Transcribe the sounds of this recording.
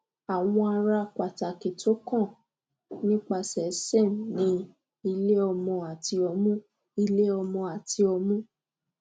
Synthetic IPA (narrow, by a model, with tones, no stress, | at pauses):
a˨w̃ɔ̃˧a˧ɾa˧ka˨ta˨ke˨tʰo˨˦kɔ̃˦˨ | nĩ˦k͡pa˧sɛ˨˦se˦˨m˨nĩ˨˦ | i˧le˦ɔ˧mɔ̃˧a˨ti˧˦ɔ˧mũ˦ | i˧le˦ɔ˧mɔ̃˧a˨tʰi˧ɔ˧mũ˦